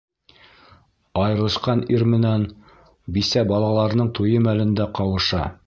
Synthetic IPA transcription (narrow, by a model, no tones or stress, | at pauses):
ɑjɤ̆ɾlˠɤ̆ʃqɑniɾmɘ̆næn | bisæbɑlˠɑlˠɑɾnɤɴt̪ujɤmælɘ̆nd̪æqɑwɤ̆ʃɑ̰